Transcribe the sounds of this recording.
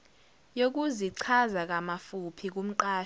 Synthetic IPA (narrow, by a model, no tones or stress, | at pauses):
jok̬ʼuziǀʰazak̬ʼamafupʰik̬ʼum̩ǃaː